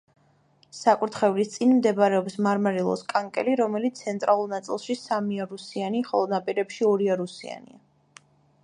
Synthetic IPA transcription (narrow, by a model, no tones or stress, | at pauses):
sakʼuɾt̪ʰχɛvlist̪sʼinmd̪ɛbɾɛɔpsmaɾmaɾilˠɔ̰skʼaŋkʼɛ̰liɾɔmɛlit̪sʰɛnt̪ʼɾalˠuɾnat̪sʼḭlˠʃisamiaɾusianiχɔlˠɔnapʼiɾɛpʃiɔɾiaɾusia̰nḭa